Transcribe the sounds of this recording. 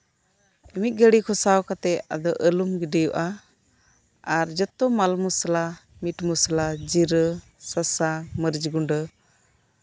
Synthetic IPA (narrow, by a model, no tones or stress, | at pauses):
imit̪̚ɡəɽikʰɔsawkat̪ɛa̰d̪ɔʔəlumɡiɖɛjuʔa | aɾd͡ʒɔt̪ɔmalmuslamiʈmuslad͡ʒiɾə | sasaməɾd͡ʒɡuɳɖə